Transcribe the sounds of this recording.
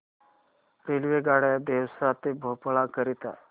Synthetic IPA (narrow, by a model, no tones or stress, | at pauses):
ɾelʋeɡaɽjad̪ewsat̪ebʱopɭakəɾit̪a̰